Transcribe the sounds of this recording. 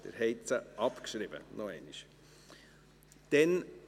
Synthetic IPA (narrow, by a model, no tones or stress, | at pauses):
d̥̪ə̰ɾhɛɪt͡səʔɑpkʃɾɪbə̰nɔɛɪniʃ | d̪̥ɛn